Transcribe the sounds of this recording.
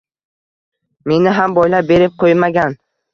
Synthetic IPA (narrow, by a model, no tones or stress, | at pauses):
me̞nɪɦambɒjlap̚be̞ɾɪp̚qʰojmaɡʲan